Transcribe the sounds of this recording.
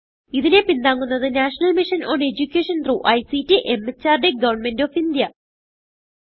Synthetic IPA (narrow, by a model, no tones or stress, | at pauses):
iðine̞pind̪aːŋːunːɐðɨnaːʂɐnɐlmiʂɐnoːne̞d͡ʑukʲːeːʂɐnt̪ruʔɐjsitːiʔemːɐt͡ɕːaːrɖeɡɐʋɐrɳme̞ndo̞ːfind̪jɐ